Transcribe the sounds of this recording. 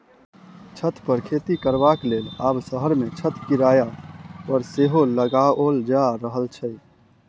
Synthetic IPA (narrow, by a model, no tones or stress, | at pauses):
t͡ʃʰət̪ʰpəɾkʰet̪ikəɾbakleːlaːbsəɦəɾmet͡ʃʰət̪ʰkiɾajaɔːɾseɦoləɡaold͡ʒaɾəɦəlt͡ʃʰə